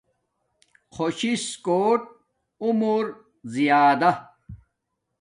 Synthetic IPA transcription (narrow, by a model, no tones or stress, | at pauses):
xʰoɕiskoːʈ̚ | umuɾ | zijaːd̪ɐ